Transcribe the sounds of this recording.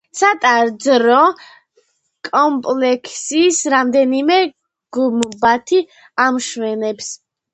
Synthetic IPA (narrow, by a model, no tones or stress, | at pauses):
sat̪ʼaɾd̪zɾɔ | kʼɔmpʼlɛkʰsisɾamd̪ɛnimɛ | ɡ̥umbat̪ʰi | amʃwɛnɛps